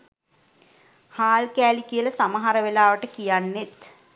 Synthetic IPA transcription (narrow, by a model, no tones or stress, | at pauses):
haːlkæːlikijələsaməɦaɾəʋelaːʋəʈəkijanːet̪